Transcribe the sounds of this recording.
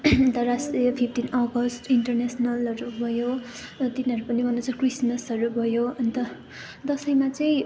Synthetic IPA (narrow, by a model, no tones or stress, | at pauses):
ʌnt̪ʌrasʈrijʌpʰip̚ʰʈinʌɡʌsʈiɳʈʌrnesʌnʌlʌɾubʱʌjo | t̪iniɦʌɾupʌnibʱʌnut͡sʰʌkrismʌsʌɾubʱʌjoʌnt̪ʌ | d̪ʌsʌjmat͡sʌĩ